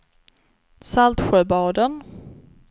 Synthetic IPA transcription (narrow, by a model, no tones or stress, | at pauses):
salt̪ɧœːbɑːd̪ən